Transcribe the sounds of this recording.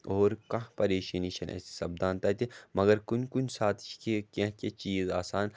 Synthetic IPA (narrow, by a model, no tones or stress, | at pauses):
oːɾkɐ̃ɦpɐɾeːʃaniːʃɐnʔɛ̰ːsi̥sɐb̚d̪aːnt̪ɐt̪imɐɡɐɾkʊnkʊnsaːt̪ʰʃkekeɦket͡ʃiːzaːsaːn